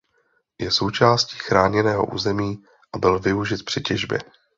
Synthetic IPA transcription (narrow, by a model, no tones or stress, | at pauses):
jɛso̞wt͡ʃaːsci̥ːxɾaːɲɛnɛːɦo̞̰ʔṵːzɛmiː | ʔabɪlvɪuʒɪt̪̚pr̝̥ɪcɛʒbjɛ̰